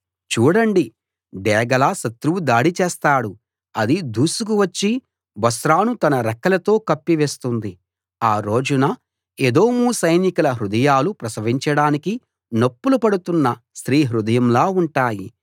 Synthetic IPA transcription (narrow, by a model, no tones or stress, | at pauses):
t͡ʃuːɽɐɳɖi | ɖɛːɡɐlaʃɐt̪ɾuʋud̪aːɽit͡ʃeːst̪aːɽu | ɐd̪id̪uːsukuʋɐt͡ʃːi | bɐsɾaːnut̪ɐnɐɾɐkːɐlɐt̪o̞ːkɐpːiʋeːst̪und̪i | aːɾo̞ːd͡ʒunɐ | ed̪o̞ːmusɐjnikulɐɦɾud̪ɐjaːlupɾɐsɐʋiɲt͡ʃɐɽaːniki | nopːulupɐɽut̪unːɐ | sɾiːɦɾud̪ɐjɐmlaːuɳʈaːji